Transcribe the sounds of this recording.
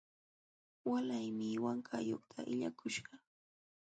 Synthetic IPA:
walajmɪwaŋkʰajoχt̪ʰaʔɪʎakʊʃɢɑ

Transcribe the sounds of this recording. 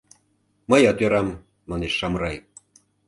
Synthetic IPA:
məjɑt̪øɾɑmː | ɑneʃːɑmɾɑj

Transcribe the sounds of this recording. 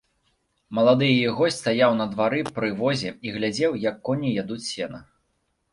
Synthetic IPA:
mɐlˠad̪ɨjijɛɣɔsʲtʲst̪ajawn̪ɐd̪vaɾɨpɾɨvɔzʲɛiɣlʲad͡zʲɛwjɐkːɔnʲijad̪ut͡sʲsʲɛnɐ

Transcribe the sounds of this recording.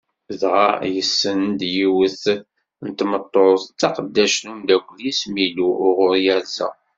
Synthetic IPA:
ðʁajəsːənd̪jiwəθ | nət̪mət̪ˤːoɑqəd̪ːæʃnumd̪ækʷːljismiluʊʁʊɾjælzæ̰

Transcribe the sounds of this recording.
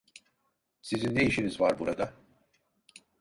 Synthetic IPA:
sizind̪e̞jiʃinizvaɾbuɾad̪a

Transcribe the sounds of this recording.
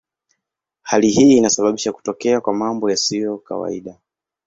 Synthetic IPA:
haliɦiːnasaɓaɓiʃaku̥tɔkɛakwamambɔjasijɔka̰wa̰ḭɗa

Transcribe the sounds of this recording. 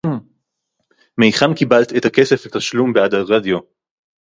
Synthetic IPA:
mejχamkibalt̪et̪akeseflet̪aʃlumbead̪aʁadjo̞

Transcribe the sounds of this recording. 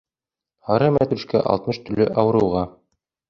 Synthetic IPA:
hɑɾɤmæt̪ʉʃkæ̰ʔɑ̰lˠt̪mɤʃt̪ɵ̆lːɘʔɑwɤ̆ɾɤ̆wʁɑ

